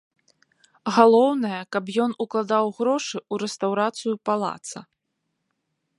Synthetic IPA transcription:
ɣalˠɔwnɐjɐkapjɔnuklˠad̪awɣɾɔʂɨuɾɛst̪awɾat̪sɨjupalˠa̰t̪sɐ̰

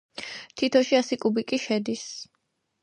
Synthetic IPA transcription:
t̪ʰit̪ʰɔʃiasikʼubikʼiʃɛd̪is

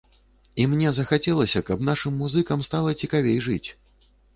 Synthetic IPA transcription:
imnʲɛzɐxat͡sʲɛlˠɐsʲɐkɐpnaʂɨmːuzɨkɐmst̪alˠɐt͡sʲikavʲejʐɨt͡sʲ

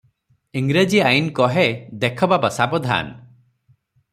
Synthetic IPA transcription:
iŋɡɾed͡ʒiajinkɔɦed̪ekʰɔbabɔsabɔd̪ʱa̰n

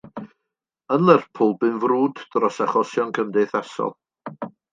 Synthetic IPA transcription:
ənlˠɛrpʰʊlˠbɨnvruːddrɔsaχɔsjɔnkʰəmdɛθasɔ̰lˠ

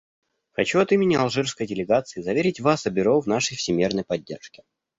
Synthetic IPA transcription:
xɐt͡ɕuɐt̪imʲɪnʲɪɐlˠʐɨrskəjdʲɪlʲɪɡat̪sɨːzɐvʲeɾʲɪtʲvasɐbʲɪɾovnaʂəjfsʲɪmʲirnəjpɐdʲːḛrʂkʲɪ̥

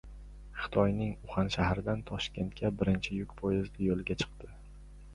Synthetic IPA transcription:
χɨ̥t̪ʰɒjnɪŋʊχanʃahaɾɪd̪ant̪ʰɒʃkʲʰe̞nt̪̚kʲʰabɪɾɪnt͡ʃʰɪjʊkʲpʰojɪzd̪ɪjolˠɡʲat͡ʃʰɨ̥qt̪ɪ

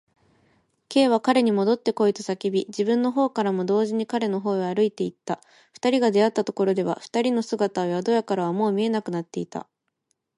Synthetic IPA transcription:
ke̞ːβ̞akaɾe̞ɲ̟imo̞d̪o̞t̪ːe̞ko̞it̪ɨ̥sakʲibʲid͡ʑibɯ̟̃nːo̞ɦo̞ːkaɾamo̞d̪o̞ːʑiɲ̟ikaɾe̞no̞ɦo̞ːjaːɾɯ̟it̪e̞it̪ːa | ɸɯ̟̥t̪aɾʲiɡad̪e̞at̪ːat̪o̞ko̞ɾo̞d̪e̞β̞a̰ɸɯ̟̥t̪aɾʲino̞sɨɡat̪aojad̪o̞jakaɾaβ̞amo̞ːmʲie̞nakɯ̟nat̪ːe̞it̪a̰

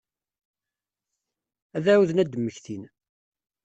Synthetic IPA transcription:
æðæwuðnæd̪əmːəçθin

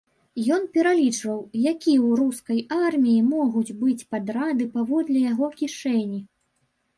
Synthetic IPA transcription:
jɔnpʲɛɾalʲit͡ʂvɐwjakʲiwɾuskɐjarmʲijimɔɣud͡zʲbɨt͡sʲpad̪ɾad̪ɨpavɔd̪lʲɛjaɣɔkʲiʂɛnʲi

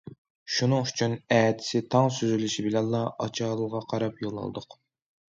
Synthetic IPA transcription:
ʃunɨŋyt͡ʃʰynɛːd̪ʰɪ̥sɪt̪ʰɑŋsyzylyʃibɪlɛnlˠɑʔɑ̰t͡ʃʰɑːlˠɨʁɑqʰɑɾɑpjolˠːɑ̰l̰ˠd̪ʊq

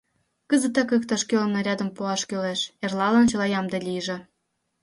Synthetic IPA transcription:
kəzə̆t̪ekəkt̪ɑʃkølnoɾʲɑd̪ə̆mpuɑʃkøleʃerlɑlənt͡ɕɤ̆lɑjɑmd̪elʲijəʒĕ

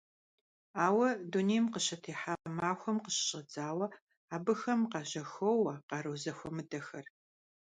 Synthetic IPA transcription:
aːwɐdunejmqəɕɐtʰeːħaːqɐmaːxʷɔmqəɕɕʼɐd͡zʼaːwɐ | aːbɨxɐmqɑːʑɐxowɐqɑːɾoːzɐxʷɔmɨdɐxɐr

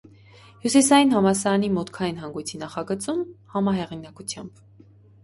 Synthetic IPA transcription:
hjusisɑjinɦɑmɑsɑɾɑnimɔt̪kʰɑjinɦɑŋɡujt͡sʰinɑχɑɡət͡sumhɑmɑɦɛʁinɑkut͡sʰjɑmb

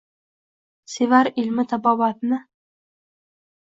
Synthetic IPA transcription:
sevaɾɪlmɪt̪ʰabɒbat̪nɪ

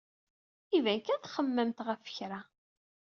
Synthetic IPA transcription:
ivænkæθχəmːəmt̪ʁəfə̥çɾa

